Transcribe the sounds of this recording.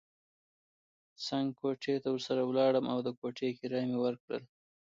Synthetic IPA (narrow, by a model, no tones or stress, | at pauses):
saŋɡkoʈʰet̪awəɾsaɾawlɑɽəmʔawd̪əkoʈʰekiɾɑjmewəɾkɽə̰l